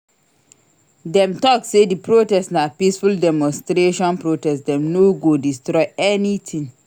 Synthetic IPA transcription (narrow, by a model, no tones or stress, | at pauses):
dɛ̃mtɔksedipɹotɛstsnapisfuldɛmɔ̃nstɾeʃɔ̃npɹotɛsdɛ̃mnoɡodistɾɔɪɛnitʰĩŋ